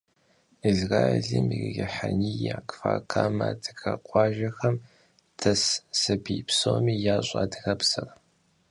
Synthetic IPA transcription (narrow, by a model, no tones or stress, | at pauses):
izraːeɮimirɣʲɪħanijaːkʰʼfaːkʰaːmadʰɨɡɐqʷʼɑːʒɐxɐm | tʰɐssɨbʰiːpsoːmiːjaːɕʼaːdɨɣɐpsɨr